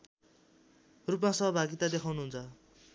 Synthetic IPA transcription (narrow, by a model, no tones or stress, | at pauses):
rupmãsʌɦʌbʱaɡit̪ad̪ekʰawnuɦunt͡sʰʌ